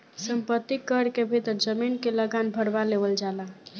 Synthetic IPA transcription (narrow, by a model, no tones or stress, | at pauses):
səmpət̪ːikːəɾkebʱit̪əɾd͡ʒəminkeləɡanbʱəɽbaleʋəld͡ʒala